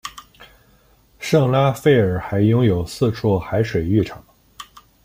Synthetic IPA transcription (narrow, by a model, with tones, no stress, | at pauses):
ʂɤ˥˩ŋla˥fe˥˩ɪə˞˨˩xa˧˥ɪjʊ˥ŋjo˨˩ʊsɹ̩˥˧ʈ͡ʂʰɔ˥˩xa˧˥ɪʂwe˨˩ɪy˥˩ʈ͡ʂʰɑ˨˩˦ŋ